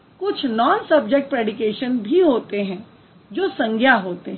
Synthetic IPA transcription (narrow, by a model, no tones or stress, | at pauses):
kʊt͡ʃʰnɔːnsɐb̚d͡ʒek̚ʈ̚pɾeːɖɪkeːʃənbʱiɦoːt̪eɦɛ̃ | d͡ʒoːsɐ̃ŋɡʱjaɦoːt̪eɦ